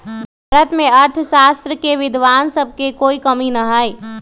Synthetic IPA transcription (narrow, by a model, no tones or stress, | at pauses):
bʱaːɾət̪mẽɐɾt̪ʰʃaːst̪ɾəkeʋɪd̪ʱʋaːnsəb̚ʱkekoːikəminɐɦaːi